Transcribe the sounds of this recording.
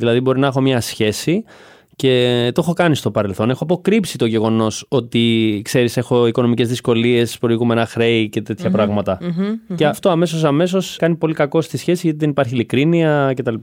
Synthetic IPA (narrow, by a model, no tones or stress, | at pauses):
ðilɐðibo̞ɾinɐexo̞mɲɐsçe̞si | ce̞t̪oexo̞kɐnist̪o̞pɐɾe̞lθo̞ne̞xoɐp̬o̞kɾipsit̪o̞ʝe̞ɣo̞no̞so̞t̪ikse̞ɾise̞xo̞iko̞no̞mice̞zðisko̞lie̞spɾo̞iɣume̞nɐxɾe̞ice̞t̪e̞t̪çɐpɾɐɣmɐt̪ɐceɐft̪o̞ɐme̞s̬o̞s̬ɐme̞s̬o̞skɐnipo̞likɐko̞st̪isçe̞sizʝɐt̪iðenipɐɾçilikɾiniɐce̞t̪ɐlip